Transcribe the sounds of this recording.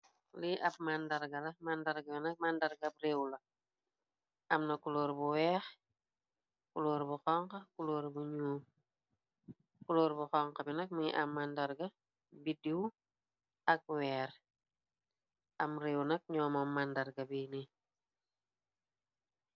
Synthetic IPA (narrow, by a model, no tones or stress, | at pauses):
liʔɐb̚mandaɾɡɐlɐmandaɾɡɐinɐk̚mandaɾɡap̚rewlɐ | ʔɐmnɐkuloːɾbuwɛːx | kuloːɾbuxɔŋkɐkuloːɾbuɲuːm | kuloːɾbuxɔŋqɐbinɐk̚miʔamːandaɾɡɐ | bidiw | ɐk̚wɛːɾ | ʔɐmɾeːwnɐk̚ɲɔːmamːandaɾɡɐbini